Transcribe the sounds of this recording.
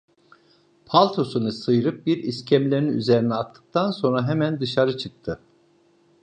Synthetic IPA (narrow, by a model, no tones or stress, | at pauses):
pʰalʲˠt̪ʰo̞sunɯsɯjɯɾɯp̚biɾiscʰæmlʲeniny̰ze̞ɾinɛat̪ʰːɯ̥k̚t̪ʰanso̞nɾaɦemænd̪ɯʃaɾɯt͡ʃʰɯk̚t̪ʰɯ